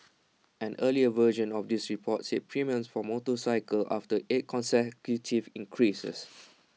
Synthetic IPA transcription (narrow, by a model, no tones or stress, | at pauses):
ʔɛ̃nʔəliəvəʒə̃nɔfdisɹipʰɔt̚set̚pʰɹimiə̃nsfɔmotəsaɪkəlʔa̰ftəʔet̚kʰɔ̃nsɛkjutʰivĩŋkʰɹisə̰s